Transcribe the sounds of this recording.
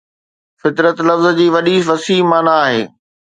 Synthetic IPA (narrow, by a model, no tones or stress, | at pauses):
fɪt̪ɾət̪lɐfzd͡ʑiːʋɐɗiʋɐsiːɦmaːnaːɦḛː